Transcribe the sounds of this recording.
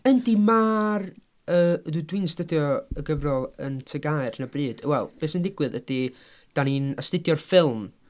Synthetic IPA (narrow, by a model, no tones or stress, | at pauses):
əndimaːr | ədudwɪnsd̥ədjɔəɡəvrɔlˠə̰ntʰəɡaɨrnəbrɨːd̥wɛlˠb̥eːsəndɪɡwɨðəd̥i | d̥aninəstɪdjɔrfɪlˠm